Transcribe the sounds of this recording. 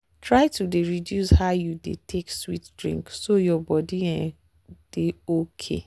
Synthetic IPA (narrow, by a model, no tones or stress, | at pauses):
tɹajtudeɹidjushaʊjudḛtʰekswitdɹḭ̃ŋksojɔbɔdiɛ̃ | d̥eokʰḛ